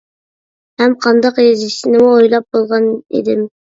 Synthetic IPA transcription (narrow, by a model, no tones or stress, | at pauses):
hæmqʰɑnd̪ɑqezisɪnɪojlˠɑp̚bolˠʁɑnḛd̪ɪm